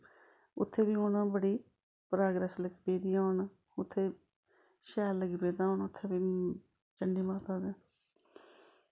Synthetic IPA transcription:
ʊt̪ʰːeːʋiːʊnãbəɽiː | pɾaːɡɾɛːsləɡipeːd̪iːaːn | ʊt̪ʰːeː | ʃɛːlləɡiːpeːd̪aːoːnʊt̪ʰːeːʋiː | t͡ʃəɳɖiːmaːt̪aːd̪e

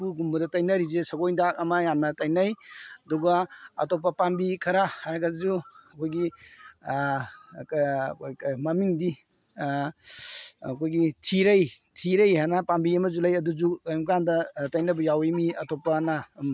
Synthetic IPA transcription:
puɡumbɐdɐtajnɐɾizesɐɡojndak̚ɐmɐjamnɐtajnɐjɐdɔɡɐɐ̰tɔp̬ːɐpambikʰɐɾahaɾaɡazuɐkʰojɡi | kkʰjmɐmiŋdi | kʰojɡitʰiɾɐjtʰiɾɐjɦanapambiɐmɐzulajɐduzukajmkandɐtajnɐbɐjawemiɐtɔpːana

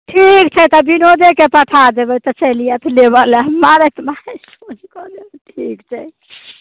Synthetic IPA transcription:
ʈʰikt͡ʃʰɛt̪ɔbinod̪ekepəʈ̪ʰad̪ebɛt̪ɔt͡ʃəlijat̪ɔlebalamaɾət̪masod͡ʒkɔd̪ebɛʈʰikt͡ʃʰɛ

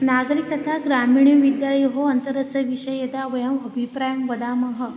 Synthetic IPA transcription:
naːɡɾik̚t̪ɐt̪ʰaɡɾamiːɳ̃jiʋid̪jaːlɐjɦoɐnt̪əɾɐsɐʋiʃɐjed̪aʋɐjɐmɐbʱipɾaːjɐmʋɐd̪aːmɐɦɐ

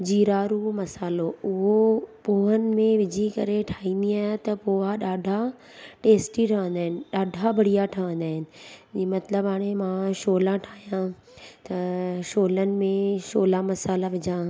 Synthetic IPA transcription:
d͡ʑiːɾaːɾumɐsaːloʊɦopoːɦənɪ̆mẽʋɪd͡ʑʱikɐɾeʈʰaːĩːnd̪iaːɦt̪ɐpoːaɗaːɖʱa | ʈeːsʈiʈʰaːʋə̃n̆d̪aːɦɪnɪ̆ɗaːɖʱabʱɐɽ̤ijaʈʰaːʋə̃n̆d̪aːɦɪnɪ̆imɐt̪ləbaːɽ̃emãʃoːlãʈʰaːijã | t̪ɐʃoːlənɪ̆mẽʃoːlamɐsaːlaʋɪd͡ʑã

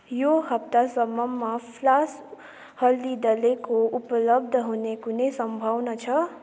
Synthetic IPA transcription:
joɦʌp̚t̪asʌmːʌmːapʰlas | hʌld̪id̪ʌlekoupʌlʌb̚d̪ʱʌɦunekunesʌmbʱʌwnʌt͡sʰʌ

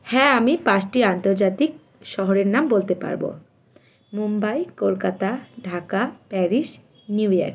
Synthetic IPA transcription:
hɛamipat͡ɕʈiant̪oɾd͡ʑat̪ik̚ | ʃɔɦoɾeɾnambolt̪epa̰ɾbo̰ | mumbajkolkat̪aɖʱakapɛɾiʃ | njuja̰ɾk

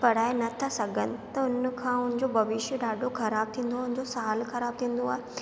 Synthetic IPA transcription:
pɐɽ̤aːenɐt̪ʰasɐɡʱənɪ̆t̪ɐʊnkʰãːʊnɪ̃ɲd͡ʑobʱɐʋɪʃjəɗaːɖʱokʰɐɾaːb̚t̪ʰĩːn̆d̪oaɦʊnɪ̃̆d͡ʑosaːlxɐɾaːb̚t̪ʰĩːn̆d̪oaːɦe

